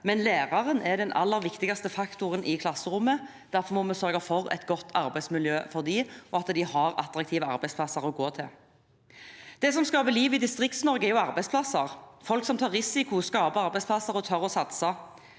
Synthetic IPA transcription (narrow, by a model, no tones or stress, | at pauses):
mɛnleːʁɑʁənɛɾd̪ɛnʔɑ̰lːəɾʋɪkt̪ɪɡɑst̪əfɑkt̪ʊʁənʔɪkʰlɑsəɾʊmːə | d̪̥æɾfɔɾmɔmɛsœʁɡɑfɔʁɛ̰t̪ɡɔt̪ːɑɾbæɪsmɪljøːfɔʁd̪iʔɔɑt̪əd̪ɪhɑʁɑ̰t̪ʁɑk̚t̪ʰiːʋəɑ̰ɾbæɪspʰlɑsɑʁɔɡoːt̪ʰɪl | d̪̥ɛs̬ɔmskɑːpəliːʋɪd̪ɪst̪ʁɪk̚t̪snɔɾɡəɛɾjʊɑʁbæɪspʰlɑsəʁfɔlksɔmt̪ʰɑːʁɪsɪkʊskɑːbəɑʁbæɪspʰlɑsɑɾɔt̪ʰœɾɔsɑt̪sɑ